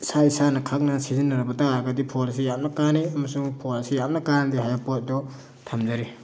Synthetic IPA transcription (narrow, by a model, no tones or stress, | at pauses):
saisanɐkʰak̚nɐsizinːɐɾɐbɐtaaɾɡɐdipʰols̬ijap̚nɐkaniɐmɐsuŋpʰolsijap̚nɐkandiɦajapot̚dɔ | tʰamzaɾi